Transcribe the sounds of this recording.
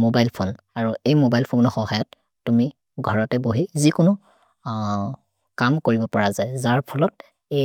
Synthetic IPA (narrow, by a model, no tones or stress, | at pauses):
mobajlpʰonaɹuejmobajlpʰonɔxɔɦajɔtː | umi | ɡʱɔɹɔtɛboɦizikʊnʊ | kamkoɹibɔpɔɹazajzaɹpʰɔlɔt̚ | e